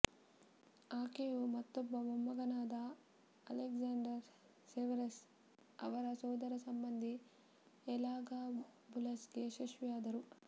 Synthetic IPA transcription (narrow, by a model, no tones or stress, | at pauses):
aːkejumɐt̪ːɔbːɐmɐmːɐɡɐnaːd̪ɐ | ɐ̰leɡd͡ʒaːɳɖɐɾ | seʋɐɾes | ɐ̰ʋɐɾɐsɔːd̪ɐɾɐsɐmbɐnd̪ʱi | ɛlaːɡaːbulɐsɡeʃɐʃʋijaːd̪ɐɾu